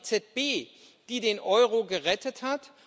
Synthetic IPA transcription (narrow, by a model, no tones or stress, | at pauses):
t͡sɛt̚b̥eː | d̥iːdenʔɔʏʁoɡəʁɛtʰəthat